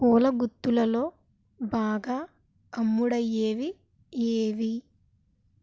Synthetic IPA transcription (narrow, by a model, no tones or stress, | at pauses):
kɔːlɐɡut̪ːulɐlo̞ː | baːɡaː | ɐmːuɽɐjːeːʋi | eːʋi